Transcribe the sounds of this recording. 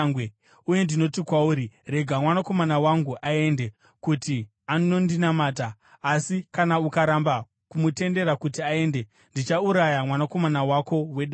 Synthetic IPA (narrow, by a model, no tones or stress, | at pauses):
ŋwe | uje̞ndino̞tikwauɾire̞ɡʱamwanako̞manawaŋɡuʔae̞nde̞ | kuti | ano̞ndinamataː | sikanaukaɾamba | kumute̞nde̞ɾakutiae̞nde̞ | ndit͡ʃauɾajamwanako̞manawako̞we̞ɗa